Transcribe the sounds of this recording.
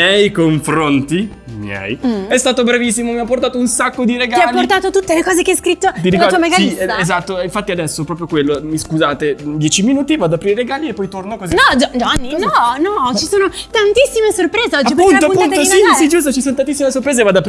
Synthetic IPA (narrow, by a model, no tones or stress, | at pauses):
jɛjkoɱfɾont̪i | mjɛ̰jɛst̪aːt̪obɾavisːimomiapːort̪aːt̪ounsakːod̪iɾeɡaialpːort̪aːt̪ot̪ut̪ːelekɔːzekeajskɾit̪ːot̪iɾikauːomeɡaisaezat̪ːoiɱfat̪ːiad̪ɛsːopɾɔːp̬ɾjokwelːomiskuzaːt̪ed̪jɛːt͡ʃiminuːt̪ivad̪apɾiːɾeɾeɡaːliepːɔjt̪ornokozinɔd̪d̪ɔnːinɔnɔt͡ʃisoːnot̪ant̪isːimesorpɾeːzeɔd͡ʒipːunt̪oaupːunt̪osisid͡ʒus̬t̪ot͡ʃisoːnot̪ant̪isːimesorpɾezevaːd̪apɾ